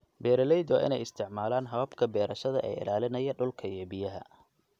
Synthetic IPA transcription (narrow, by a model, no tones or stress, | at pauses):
bɛːɾɐlɛjd̪ɔʔɪ̰nɛjɪst̪ʰɪʕmaːlaːnɦɐβɐbkʰɐbɛːɾɐʃɐðɐʔɛːɪ̰laːlɪnɐjɐɖʊlkʰɐiɛbɪjɐɦɐ̰